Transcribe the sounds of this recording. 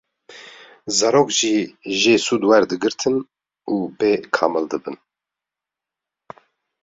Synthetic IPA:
zɑɾoːkʒiʒeːsuːd̪wɛɾd̪ɨɡɨɾt̪ʰɨn | uːbekʰɑ̰ːmɨld̪ɨbɨn

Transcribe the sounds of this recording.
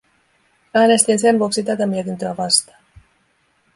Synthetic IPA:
æːne̞st̪inse̞nʋuoksit̪æt̪æmiet̪int̪øæʋɑst̪ɑ̥ː

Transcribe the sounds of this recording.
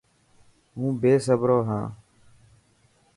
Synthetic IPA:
ɦũːbeːsəbɾoːɦãː

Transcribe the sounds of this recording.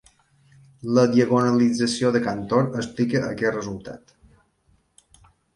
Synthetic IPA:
ləðiəɣonəlid͡zəsioðəkant̪oɾəsplikəəkɛt̪rəzulˠt̪a̰t̪

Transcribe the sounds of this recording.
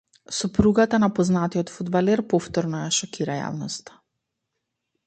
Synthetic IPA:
sɔpɾuɡat̪anapɔznat̪iɔt̪fud̪balɛɾpɔft̪ɔɾnɔjaʃɔkiɾaja̰vnɔst̪ḁ

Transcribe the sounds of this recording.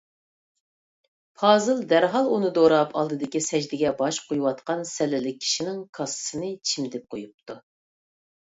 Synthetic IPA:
pʰɑːzɨlˠd̪æɾɦɑlˠunɨd̪oɾɑpʰɑ̰lˠd̪ɨd̪ɨkʲisɛd͡ʒd̪ɪɡʲɛbɑʃqʰojwɑt̪qɑnsɛlɪlɪk̚ʲʰːi̥ʃinɪŋkʰɑsɨ̥sɨnɨt͡ʃʰimd̪ɪp̚qʰojup̚t̪ʰu

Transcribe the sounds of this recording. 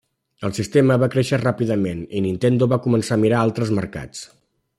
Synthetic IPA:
əlˠsist̪eməβakɾeʃərapiðəmeninint̪end̪uβakumənsamiɾaalˠt̪ɾəzməɾka̰t͡s

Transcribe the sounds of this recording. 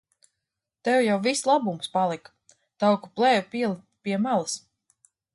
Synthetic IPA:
t̪ɛwjawvislˠabumspalˠik | t̪awkuplˠɛːjupiɛlˠ | piɛmalˠɨs

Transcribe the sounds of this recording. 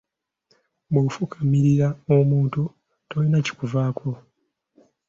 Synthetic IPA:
bofukʰamiɾiɾaomuːntu | tojinaci̥kuvaːkʰo̞

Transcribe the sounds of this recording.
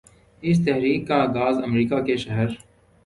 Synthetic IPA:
ɪs̬t̪ɛɦɾiːkːaːɡaːzɐmɾiːkakeʃɐɦəɾ

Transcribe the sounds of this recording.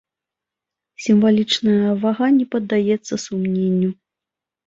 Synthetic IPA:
sʲimvalʲit͡ʂnɐjɐvaɣanʲɛpɐd̪ːajɛt̪sːɐsumnʲenʲːu

